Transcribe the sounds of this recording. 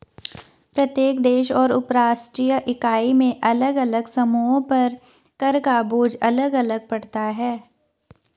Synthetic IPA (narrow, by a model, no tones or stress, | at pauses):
pɾɐt̪jeːkd̪eːʃɔːɾʊpɾaːʃʈɾiːjəʔɪkaːimẽʔɐləɡɐləɡsɐmuːõpɐɾ | kɐɾkaboːd͡ʒɐləɡɐləɡ̚pɐɽt̪aɦɛː